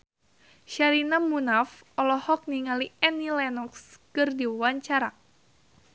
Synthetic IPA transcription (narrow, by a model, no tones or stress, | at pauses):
ʃaɾinamunaf | ɔlɔhɔk̚niŋaliɛnilɛnɔkskɨrdiwaɲt͡ʃaɾa